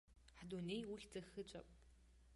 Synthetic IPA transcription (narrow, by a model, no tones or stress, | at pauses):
ħduneːjwʊxd͡zɐxɨt͡ʃʼɐpʼ